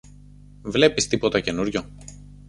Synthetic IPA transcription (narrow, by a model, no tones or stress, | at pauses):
vle̞pist̪ipo̞t̪ɐce̞nuɾʝo